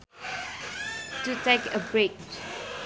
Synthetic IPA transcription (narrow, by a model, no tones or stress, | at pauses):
tutekəbɹik